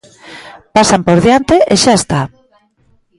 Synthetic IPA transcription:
pasampoɾðjant̪eʔeʃaest̪a

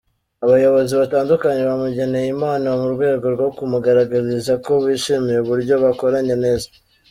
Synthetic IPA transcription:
aβajo̞βo̞ziβataːndukaɲe̞βamuɟe̞ne̞jimaːnaamuɾɡwe̞ːɡo̞ɾɡo̞kumuɡaɾaɡazizako̞βiːʃimije̞uβuɾɟo̞βako̞ɾaɲe̞ne̞ːza

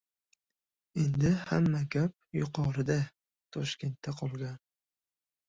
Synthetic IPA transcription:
e̞nd̪ɪhamːakʲʰap̚jʊqʰɒɾɪd̪a | t̪ʰɒʃkʲe̞nt̪ːaqʰɒlˠɡʲan

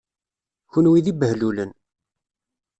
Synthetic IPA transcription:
çʊnwiðibəhlulən

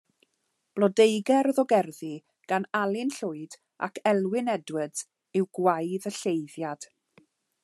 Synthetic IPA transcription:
b̥lˠɔdejɡɛɾðɔɡɛrði | ɡ̥analˠɪnɬʊɨd̥ | a̰kʰɛlˠwɪnɛdwəd | ɪwɡwajðəɬejðjad̥

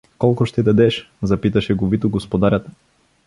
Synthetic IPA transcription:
kɔlˠkʊʃt̪ɛd̪ɐd̪ɛʃ | zɐpit̪ɐʃɛɡovit̪oɡospod̪aɾʲat̪

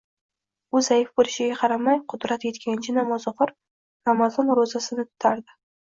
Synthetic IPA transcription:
ʊzajɪfbolɪʃɪɡʲaqʰɑɾamajqʰʊd̪ɾat̪je̞t̪kʲʰant͡ʃʰɪnamɒzʊχʊɾ | ɾamazɒnɾozasɪnɪt̪ʰʊ̥t̪ʰaɾd̪ɪ

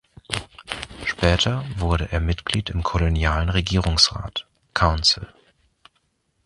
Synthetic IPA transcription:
ʃpɛːtʰɐvʊɐɾəʔeːɐmɪtɡ̥liːtɪmkʰolonjaːlənʁeɡiːʁʊŋsʁa̰ːt | kʰaʊnsl̩

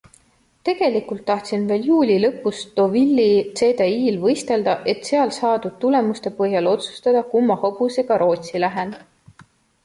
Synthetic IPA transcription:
t̪e̞ɡ̥e̞likult̪ːɑht̪sinve̞ːljuːlʲilɤpːˑust̪o̞ːvilʲːit̪se̞d̪eiːlvɤjst̪e̞ld̪̥ɑʔe̞t̪ːˑseɑlsɑːd̪ud̪̥̚t̪ule̞must̪e̞pɤɦjɑlo̞t̪su̥st̪ɑd̪̥ɑkumːɑhob̥use̞ɡ̥ɑɾo̞ːt̪silæɦen

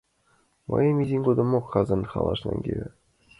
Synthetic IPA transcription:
mɤ̰jɤ̆mʲizʲiŋʲɡud̪ɤ̆mokχɑzɤ̆nχɑ̰lˠɑʂnɑ̰nɡʲeʋʲɘ̆

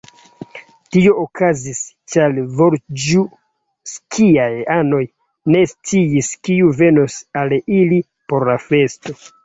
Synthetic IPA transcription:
tio̞okʰazis | t͡ʃalvoɾd͡ʒu | skʰiajano̞j | ne̞st͡siiskiuve̞nosalili | po̞ɾlafe̞sto̞

